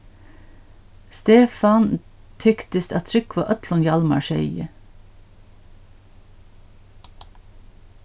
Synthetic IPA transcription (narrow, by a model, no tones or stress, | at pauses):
st̪eːfɑn | t̪ʰʏkt̪əst̪ɑt̪ʰɾʏkʋɑ̰ːʔœt̪ʰlʊnjɑlmɑ̰ʃœʏə̰